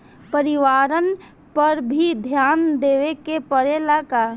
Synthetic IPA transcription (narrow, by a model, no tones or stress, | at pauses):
pəɾɪʋaːɾən | pəɾbʱid̪ʱjaːnd̪eːʋekepəɾelaka